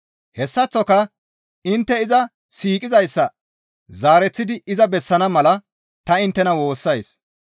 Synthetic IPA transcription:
hɛsːɐt͡sːɔkɐ | ɪnt̪ːɛɪzɐ | siːkʼɪzɐjsːɐ | zaːɾɛt͡sːɪd̪ɪɪzɐbɛsːɐnɐmɐlɐ | t̪ɐɪnt̪ːɛnɐwo̞ːsːɐjs

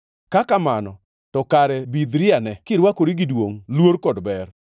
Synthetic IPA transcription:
kakamanɔ | tɔkaɾɛbid̪ɾɪanɛkɪɾwakoɾiɡɪdwoŋlwoɾkɔdbɛr

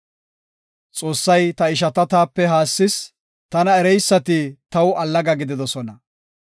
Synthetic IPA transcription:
t͡sʼo̞ːsːɐjt̪ɐɪʃ̬ɐt̪ɐt̪aːpːɛɦaːsːɪs | t̪ɐnɐɛɾɛjsːɐt̪ɪt̪ɐwɐlːɐɡɐɡɪd̪ɪd̪ɔsɔnɐ

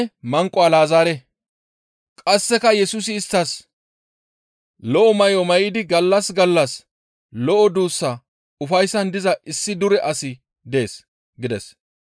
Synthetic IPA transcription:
mɐŋkʼɔɐlaːzaːɾɛ | kʼɐsːɛkɐjɛsʊs̬ɪːst̪ːɐs | lɔʔɔmɐjɔmɐjɪd̪ɪɡɐlːɐsɡɐlːɐs | lɔʔɔd̪uːsːɐ | ʊfɐjsːɐnd̪ɪzɐʔɪsːɪd̪ʊɾɛʔɐsɪ | d̪e̞ːs | ɡɪd̪ɛ̰s

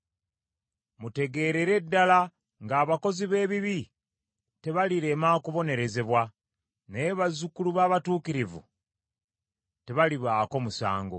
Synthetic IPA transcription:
mute̞ɡe̞ːɾeɾe̞dːala | ŋɡaːβako̞ziβe̞ːβiβi | te̞βaliɾe̞makuβo̞ne̞ɾe̞ze̞βwa | neβazukuluβaːβatuːkiɾivṵ | te̞βaliβaːko̞musa̰ːŋɡo̰

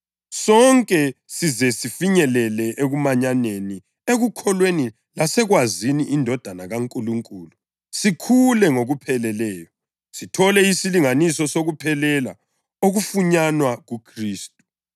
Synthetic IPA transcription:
sɔŋkʼɛsizɛsifiɲɛlɛlɛʔeɣumaɲaneni | eɣukʰɔlweni | lasɛɣwaziniʔːndʱɔd̥ʱanaɣaŋkʼuluŋkʼuːlu | sikʰulɛŋoɣupʰɛlɛlɛːjɔ | sitʰɔlɛisiliŋanisɔsoɣupʰɛlɛla̰ | oɣufuɲanwaɣukʰriːstʼu̥

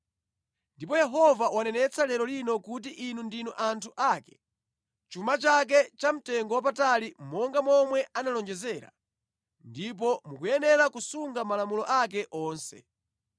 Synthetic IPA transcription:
ndip̬ɔjɛɦɔvawanɛnɛt͡sʰalɛɾɔlinɔkut̬iʔinundinuʔantʰuʔaːkɛ̥ | t͡ʃumat͡ʃak̬ɛt͡ʃam̩tɛŋɡɔwap̬atalimɔŋɡamɔmwɛanalɔnd͡ʒɛzɛːɾa̰ | ndip̬ɔmukujɛnɛɾakusuŋɡamalamulɔʔak̬ɛʔɔːnsɛ̰

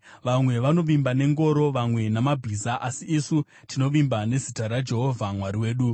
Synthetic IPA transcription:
ʋamwe̞ʋano̞ʋimbane̞ŋɡo̞ɾo̞ʋamwe̞namabʱizaʔasiːsu | tino̞ʋimbane̞zitaɾad͡ʒe̞ɦo̞vʱamwaɾiwe̞ːɗu

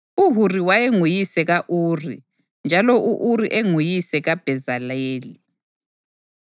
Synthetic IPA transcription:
uɦuriwajeŋujisɛɣaʔuːri | nd͡ʒʱalɔʔuʔuriʔeŋujisɛɣab̥ʱɛzaleːli

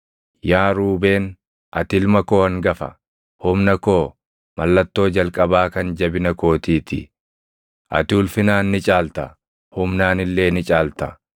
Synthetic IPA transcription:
jaːɾuːbe̞ːn | ʔɐt̪ɪlmɐko̞ːhɐŋɡɐfɐ̰ | hʊmnɐko̞ː | mɐlːɐt̪ːo̞ːd͡ʒɐlkʼɐbaːkɐnd͡ʒɐbɪnɐko̞ːt̪iːt̪ɪ̰ | ʔɐ̰t̪ɪʊlfɪnaːnːɪt͡ʃʼaːlt̪ɐ | hʊmnaːnɪlːe̞ːnɪt͡ʃʼaːlt̪ɐ

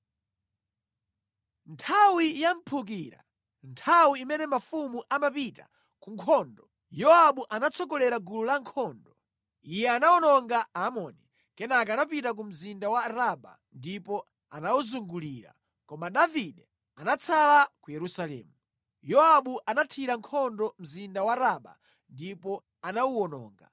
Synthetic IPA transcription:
ntʰawijam̩pʰuk̬iːɾa̰ | ntʰawiimɛnɛmafumuʔamapita̰ | kuŋkʰɔndɔ | jɔaɓuʔanat͡sʰɔkɔlɛɾaɡululaŋkʰɔːndɔ | ijɛanaɔnɔŋɡaamɔni | kɛnakanapitak̬um̩zindawaɾaɓa̰ | ndipɔ | a̰nawuzuŋɡuliɾa̰ | kɔmaɗaviɗɛ | anat͡sʰalakujɛɾusalɛ̰ːmu | jɔaɓuʔanatʰiɾaŋkʰɔndɔm̩zindawaɾaɓa̰ | ndipɔ | anawuwɔnɔ̰ːŋɡa̰

